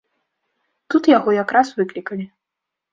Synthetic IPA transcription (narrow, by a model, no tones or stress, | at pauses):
t̪ut̪jaɣɔjakɾasvɨklʲikɐlʲi